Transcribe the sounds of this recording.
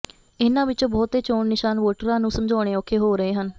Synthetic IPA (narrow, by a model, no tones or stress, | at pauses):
ɪnãːʋɪt͡ʃõːbɔːt̪eːt͡ʃoːɳnɪʃaːnʋoːʈəɾãːnũːsəmd͡ʒɔːɽ̃eːɔːkʰeːɦoːɾəeːɦən